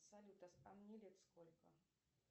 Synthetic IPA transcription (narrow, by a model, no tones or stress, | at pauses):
sɐlʲut̪ɐsamnʲelʲet̪skolʲkə